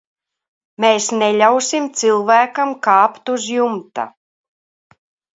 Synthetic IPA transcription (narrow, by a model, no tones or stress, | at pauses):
meːsnɛlʲawsimt̪sɨlˠvæːkamkaːpt̪uzjumt̪a̰